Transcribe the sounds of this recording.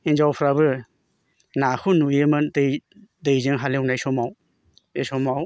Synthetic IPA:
ind͡ʒawpʰɾabɯ | nakʰunujemɯdedejzɯŋɦalewnajsɔmaw | esɔmaw

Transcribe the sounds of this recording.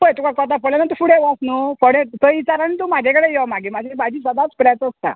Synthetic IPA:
bojt̪ukakət̪̬apɔɭanat̪̬ufuɽẽʋasnufɔɽet̪əit͡ɕaɾanit̪̬umad͡ʑʱekəɽejɛmaɡimad͡ʑʱebad͡ʑiːsəd̪at͡spɾjat͡s̪əst̪a̰

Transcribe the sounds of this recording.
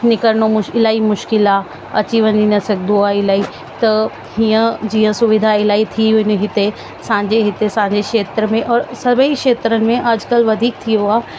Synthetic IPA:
nɪkəɾnomʊɪlaːimʊʃkɪla | ɐt͡ɕiʋɐ̃ninɐsɐkd̪oaːɪlaːi | t̪ɐ | ɦiə̃d͡ʑiːə̃sʊʋɪd̪ʱaɪlaːit̪ʰiɪnɦɪt̪e | sãːɲd͡ʑeɦɪt̪esãːɲ̆d͡ʑekʃeːt̪ɾəmẽʔɔːɾsɐbʱəikʃeːt̪ɾənɪ̆mẽʔad͡ʑkəlʋɐd̪ʱiːk̚t̪ʰijoaː

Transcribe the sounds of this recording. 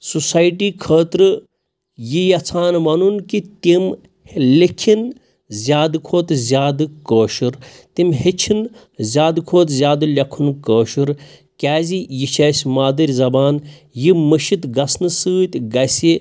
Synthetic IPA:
susaːjʈiːkʰəːt̪ɾɨ | jijɐt͡sʰaːnmɐnunkit̪ʲim | likʰin | zʲjaːd̪ɨkʰoːt̪zʲaːd̪ɨkoːʃuɾ | t̪imhet͡ʃʰin | zʲaːd̪ɨkʰoːt̪zʲjaːd̪ɨlʲɐkʰunkəːʃuɾ | kʲaːzijiʃʰɐːsʲmaːd̪ɐɾʲzɐbaːnjiməʃit̪ɡɐsnɨsɨːt̪ʲɡɐsʲi

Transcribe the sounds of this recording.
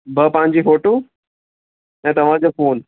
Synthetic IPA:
bʱəpãɲd͡ʑiːfoʈu | ɦɛ̃t̪ɐʋ̤ãd͡ʑəfoːn

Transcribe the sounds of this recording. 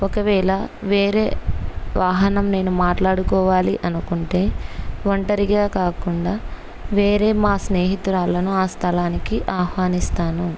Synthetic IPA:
ɔkɐʋɛːɭɐʋeːɾe̞̰ːʋaːɦɐnɐmne̞ːnumaːʈlaːɽukɔːʋaːliʔɐnukuɳʈe̞ːʋɐɳʈɐɾiɡaːkaːkuɳɖaː | ʋe̞ːɾe̞ːmaːsne̞ːɦit̪uɾaːlɐnuaːst̪ʰɐlaːnikiʔaːhʋaːnist̪aːnu

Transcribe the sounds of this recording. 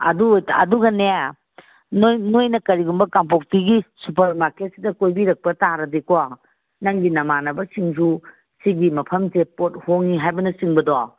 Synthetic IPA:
ɐ̰duojɐ̰duɡɐneja | nnojnɐkɐɾiɡumbɐkamp̬ok̚tiɡisupɐɾmaɾket̚si̥dɐkojbiɾɐk̚pɐtaɾɐdikowa | nɐŋɡinɐmanɐbɐsiŋsu | siɡimɐpʰɐmsepot̚hoŋːiɦajbɐnɐsiŋbɐdɔa

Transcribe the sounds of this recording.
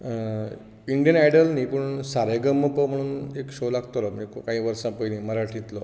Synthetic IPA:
iɳɖijənajɽəlnipəɳsaɾeɡəmːəpəm̤əɽ̃ːnekɕolaɡt̪olamiːkkaɦĩːʋəɾsãpəjniːməɾaʈʰit̪lo

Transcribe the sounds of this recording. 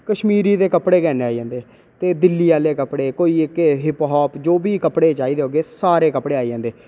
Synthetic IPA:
kəʃmiːɾiːd̪eːkəpɽeːkɛːneaːid͡ʒãːnd̪eː | t̪eːd̪ɪlːiːaːleːkəpɽeːkoːiːɪkɦɪpɦɔːpd͡ʒoːbiːkəpɽeːt͡ʃaːiːd̪eɦoːɡeːsaːɾeːkəpɽeːaːid͡ʒãːnd̪eː

